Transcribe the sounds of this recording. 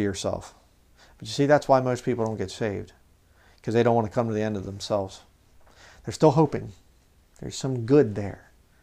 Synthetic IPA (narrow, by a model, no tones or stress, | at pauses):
jə˞sɛ̰lˠf | b̥ʌt͡ʃjɨsiðætswaɪmoʊspʰiplˠdõʊ̃nɡɛtseɪvd̥ | kʰʌzðeɾõʊ̃nʔwɑ̃nɨkʰʌ̃mtɨðiɛ̃ndʌvðə̃m̩sɛlˠvz̥ | ðə˞stɪlˠɦoʊpɪ̰̃ŋ | ðə̰˞z̥sʌ̃mɡʊd̪̚ðə̰˞